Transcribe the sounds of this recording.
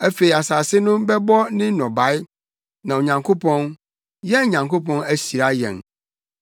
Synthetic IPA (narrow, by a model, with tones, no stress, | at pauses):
æ˦fe˨i˨a˨saː˨sɪ˦nʊ̃˦bɛ˦bɔ˦nɪ̃˦nɔ̃˨ba˨˦ɪ˦ | nã˨wo˨ɲã˨ŋkʰo˦pʰɔ̃˦n | jɛ˦˨ɲã˨ŋko˦pɔ̃˦næ˦ɕi˨ɾa˦jɛ̰̃˨n